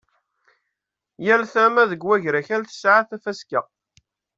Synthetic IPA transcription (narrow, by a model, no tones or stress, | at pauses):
jælθæmæðəɡwæʝɾæçælθə̥sʕaθæfæska